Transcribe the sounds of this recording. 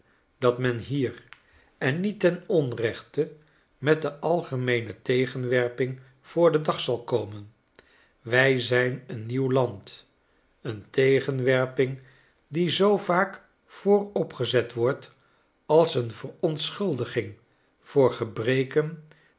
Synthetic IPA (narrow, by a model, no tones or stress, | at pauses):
d̥ɑtmɛnɦiːr | ɛnːitɛnɔnrɛχtə | mɛt̚dəʔɑlˠχəmejnətejχənʋɛɹpɪŋ | v̥ʊːɹdədɑχsɑlˠkowmən | ʋɛjzɛjnənːiwlɑnt | əntejχənʋɛɹpɪŋ | dizowvaːk | fʊːrɔpχəzɛtʋɔɹt | ɑlˠsənvərɔntsχɵlˠdəχɪŋ | v̥ʊːɹχəbrejkən